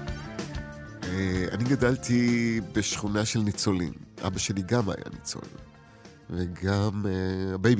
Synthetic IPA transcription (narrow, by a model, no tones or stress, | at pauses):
ea̰niɡadalt̪ibeʃχunaʃe̞lnit͡so̞lḭmʔa̰baʃe̞liɡama̰ja̰nḭt͡so̰lḭm | veɡamebejb